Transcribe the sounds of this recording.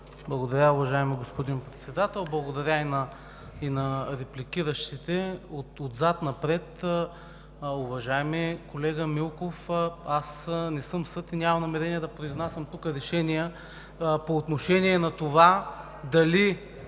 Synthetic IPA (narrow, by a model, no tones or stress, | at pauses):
blˠɐɡod̪ɐɾʲaʊvɐʒaɛmiɡospod̪inpɾɛt̪sɛd̪at̪ɛlˠblˠɐɡod̪ɐɾʲainɐ | inɐɾɛplikʲiɾəʃt̪it̪ɛot̪od̪zat̪nɐpɾɛt̪ | ʊvɐʒaɛmɛkolɛɡəmilˠkofasnɛsɤmsɤt̪inʲamɐmnɐmɛɾɛniəd̪ɐpɾoiznasʲɐmt̪ukəɾɛʃɛnijə | poːt̪noʃɛniɛnɐt̪ova | d̪ɐli